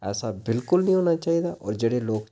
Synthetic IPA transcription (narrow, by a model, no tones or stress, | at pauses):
ɛ̰ːsabɪlkʊlnĩːɦoːnat͡ʃaːiːd̪aːɔ̰ːɾd͡ʒeːɽeːloːk